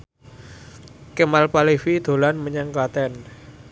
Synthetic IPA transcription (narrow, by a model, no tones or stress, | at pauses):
kəmalpalifid̪̥o̤lanməɲaŋkat̪ɛn